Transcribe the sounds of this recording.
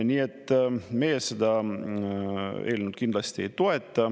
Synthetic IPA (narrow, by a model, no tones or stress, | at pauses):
nʲiːe̞t̪ːˑmejesed̪ɑ | e̞̰ːlnud̪̥kind̪lɑst̪ie̞jt̪o̞e̞t̪ːˑɑ